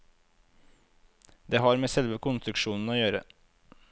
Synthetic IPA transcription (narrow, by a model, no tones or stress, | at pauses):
d̪eːɦɑːɾmeːsɛlʋəkʰʊnst̪ɾʉkʃuːnn̩oːjøːɾə̰